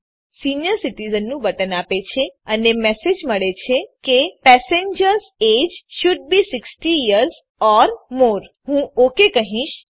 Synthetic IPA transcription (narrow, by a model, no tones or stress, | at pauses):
sinijəɾsiʈizənːũbəʈənapet͡ʃʰeənemɛsed͡ʒməɭet͡ʃʰekepɛseɲd͡ʒəɾzed͡ʒʃʊɖ̚bisɪksʈiiəɾz | ɔɾmoɾ | ɦũokekəɦĩʃ